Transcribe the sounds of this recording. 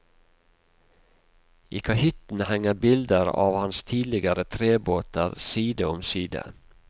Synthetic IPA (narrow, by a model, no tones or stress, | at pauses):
ʔiːkʰɑhʏt̪n̩hɛŋəbɪld̪əɾɑ̰ːʋhɑnst̪ʰiːlɪɡəɾət̪ʰɾeːboːt̪əɾsiːd̪əɔmsiːd̪ə̰